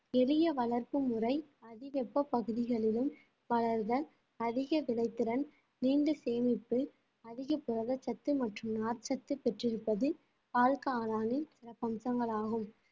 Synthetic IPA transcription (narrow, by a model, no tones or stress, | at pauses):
ɛlɪjɐʋɐɭɐɾpɯmʊrɐɪɐðɪʋɛpːɐpːɐɣɯðɪɣɐɭɪlɯm | ʋɐɭɐɾðɐ | ɐðɪɣɐʋɪɭɐɪt̪ːɪɾɐn | niːɳɖɯseːmɪpːɯ | ɐðɪɣɐpːʊɾɐðɐt͡ʃːɐt̪ːɯmɐʈrɯmnaːɾt͡ʃɐt̪ːɯpɛʈrɪɾɯpːɐðɯ | paːlkaːlaːnɪnsɪɾɐpːɐmsɐŋɡɐɭaːɣɯm